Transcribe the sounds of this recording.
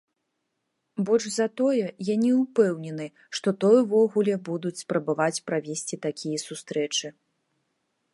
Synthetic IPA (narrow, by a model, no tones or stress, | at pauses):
bɔʐzɐt̪ɔjɛjanʲiupɛwnʲɛnɨ | ʂt̪ɔt̪ɔjuvɔɣulʲɛbud̪ut͡sʲspɾɐbavat͡sʲpɾavʲesʲt͡sʲit̪akʲijɐsust̪ɾɛt͡ʂɨ